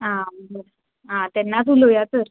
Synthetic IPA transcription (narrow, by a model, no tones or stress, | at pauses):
ɦãəbəɽa | ɦãt̪ɛnːat͡sulojatəɾ